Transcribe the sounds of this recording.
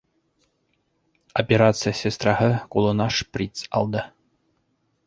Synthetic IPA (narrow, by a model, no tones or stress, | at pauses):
opʲeɾat̪sɨjəsʲest̪rɑɦɤkulˠɤ̆nɑʂprʲit̪sɑ̰lˠd̪ɤ